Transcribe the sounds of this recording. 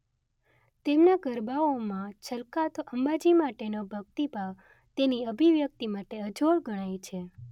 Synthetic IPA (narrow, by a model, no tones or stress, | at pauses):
t̪emnaɡəɾbaomãt͡ʃʰəlkat̪ʔəmbad͡ʒimaʈenobʱək̚t̪ibʱaʋ | t̪eniəbʱiʋjək̚t̪imaʈeəd͡ʒoɭɡʱəɽ̃ajt͡ʃʰe